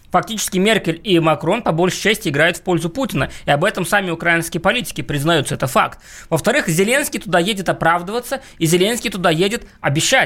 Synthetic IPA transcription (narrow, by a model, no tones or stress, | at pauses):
fɐk̚tʲit͡ɕɪ̥skʲɪmʲerkʲɪlʲimɐkɾo̞npɐbo̞lʲʂɨ̥t͡ɕæsʲtʲɪɪɡɾajʊt̪fpo̞lʲzʊputʲɪnəɪɐbɛt̪əmsamʲɪʊkɾaɪnskʲɪjəpɐlʲitʲɪ̥kʲɪpɾʲɪznɐjut̪səɛt̪əfa̰kt̪̚ | vəft̪ɐɾɨxzʲɪlʲe̞nskʲɪjt̪ʊd̪ajedʲɪt̪ɐpɾavd̪əvət̪sːə | izʲɪlʲe̞nskʲɪjt̪ʊd̪ajedʲɪt̪ɐbʲɪɕːæ